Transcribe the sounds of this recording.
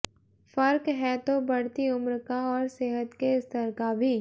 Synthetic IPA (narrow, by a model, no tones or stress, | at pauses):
fɐɾkɦɛt̪obɐɽ̤t̪iʊmɾkaɔːɾseɦət̪keɪst̪əɾkabʱiː